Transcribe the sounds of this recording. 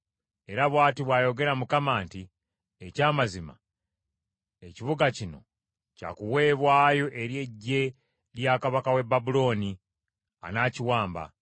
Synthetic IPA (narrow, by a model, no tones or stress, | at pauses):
e̞ɾaβwaːtiβwaːjo̞ɡe̞ɾamukamaːnti | ecaːmazima̰ | eciβuɡacino̞̰ | ca̰kuwe̞ːβwaːjo̞ʔe̞ɾje̞ɟːe̞ | ɾjakaβakawe̞babulo̞ːni | a̰naːciwaːmba̰